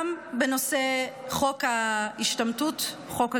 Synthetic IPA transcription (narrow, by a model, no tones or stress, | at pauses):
mbeno̞se̞χo̞khaiʃtamtut | χo̞ka